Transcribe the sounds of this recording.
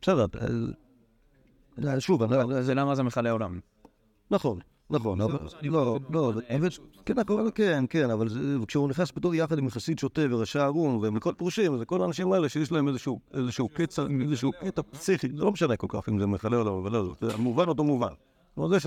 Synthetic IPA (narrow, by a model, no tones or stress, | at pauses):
b̥esedeʁpa̰ | aʃuvanadzelamazemeχaleolam | naχo̞nː | aχonololozevekenakoelkenkenavalzevkʃeuniχnasbit̪uʁjaχad̪imχasid̪ʃot̪eveʁaʃaːʁunvemlikolpʁuʃimazeko̞laːnaʃimaeleʃejeʃ̬laemezeʃuezeʃeuket͡saiezeʃ̬uketapsiχizelo̞meʃanekolkaχimzemeχaleolamavalazotemuvanot̪̬omuvan | lozeʃ